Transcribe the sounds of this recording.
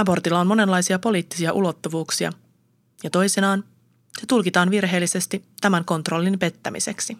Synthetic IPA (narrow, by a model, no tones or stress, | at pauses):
ɑbo̞rt̪ilːɑo̞nmo̞ne̞nlɑjsiɑpo̞liːt̪ːi̥siɑʔulo̞t̪ːuʋuːksiɑ̰ | jɑt̪o̞jsenɑːn | se̞t̪ulkit̪ɑːnʋirɦe̞ːlːise̞st̪it̪æmæŋko̞nt̪ro̞lːimpe̞t̪ːæmḭse̞ksi